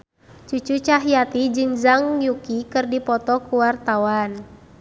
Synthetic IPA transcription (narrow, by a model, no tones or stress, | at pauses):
t͡ʃut͡ʃut͡ʃaɦijat̪id͡ʒɨŋzaŋjukikɨrdipɔt̪ɔkuwart̪awan